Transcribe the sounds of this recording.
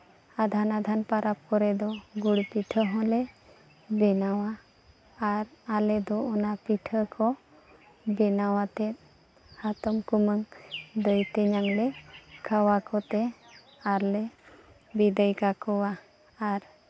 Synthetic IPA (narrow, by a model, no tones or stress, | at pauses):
ad̪ʱanad̪ʱanpaɾap̚kɔɾɛd̪ɔɡuɽpiʈʰəɦɔ̃lɛ | bɛnawaː | ɾalɛd̪ɔɔnapiʈʰəkʰɔ | bɛnawat̪ɛt̪̚ | hat̪ɔmkuməŋd̪əjt̪ɛɲaŋlɛkʰawakɔt̪ɛ | aɾlɛ | bid̪əjkakɔwaː | ɾ